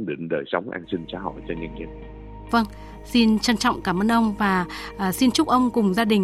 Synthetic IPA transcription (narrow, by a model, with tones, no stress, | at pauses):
ɗi˧˩˦nɗəː˨˩jsə˨˦wŋ͡mʔa̰ː˧nsï˧ŋ̟t͡ɕaː˨˦hɔ̰˧˨jt͡ɕɔ˧ɲa˧ŋɲi˧˩ | və˧ŋ | si˧nt͡ɕə˧nt͡ɕɔ̰˧˨wŋ͡mkaː˧˩mʔəː˧nʔə˧wŋ͡mvaː˨˩ʔːsi˧nt͡ɕʊ˦˥k͡p̚ʔə˧wŋ͡mkʊ˨˩ŋ͡mzaː˧ɗï˨˩ŋ̟